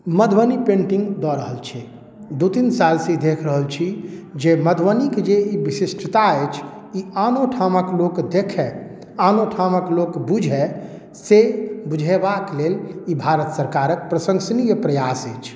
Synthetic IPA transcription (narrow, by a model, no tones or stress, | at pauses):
məd̪ʱwənipẽɳʈĩŋɡd̪ɔɾəɦəlt͡ʃʰi | d̪ut̪insalsẽid̪ekʰɾəɦəlt͡ʃʰid͡ʒeməd̪ʱʋəniked͡ʒeibisisʈʰt̪aet͡ʃʰ | ianoʈʰaməklokd̪ekʰɛ | anoʈʰaməklokbud͡ʒʱɛ | sebud͡ʒʱebaklelibʱaɾət̪səɾkaɾək̚pɾəsə̃ŋɡsnijəpɾəjasət͡ʃʰ